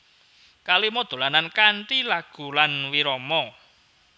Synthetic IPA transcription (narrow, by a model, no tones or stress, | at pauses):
kalimɔd̪̥o̤lanankaɳʈilaɡ̥ṳlanwiɾɔmɔ